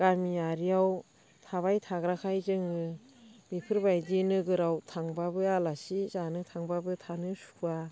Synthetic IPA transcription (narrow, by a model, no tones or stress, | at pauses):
ɡ̥aɾmiaɾijaw | tʰaβajtʰaɡɾakʰajzɯŋɯ | bipʰɯɾbajdinɯɡɯɾawtʰaŋbabɯalasizanɯtʰaŋbabɯtʰanɯsu̥a